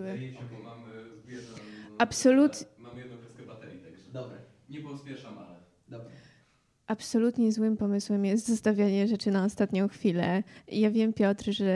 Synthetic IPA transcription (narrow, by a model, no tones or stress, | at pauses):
mamzbʲjɛapsɔlut̪mamjɛd̪nɔ̃ɡɛskɛbat̪ɛɾʲit̪aɡd̪ɔbɾ | ɲɛpɔspʲjɛʂan | d̪ | ʔapsɔlut̪ɲɛzwɘmpɔmɘswɛmjɛst̪zɔst̪avʲjaɲɛʐɛt͡ʂɘnaɔst̪at̪ɲɔ̃w̃xfʲilɛ̰ijavʲjɛmpʲjɔt̪ɾʐɛ